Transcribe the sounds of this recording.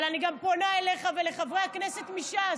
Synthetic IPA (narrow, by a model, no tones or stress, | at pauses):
laniɡamponaele̞χave̞le̞χavʁeakne̞se̞t̪miʃa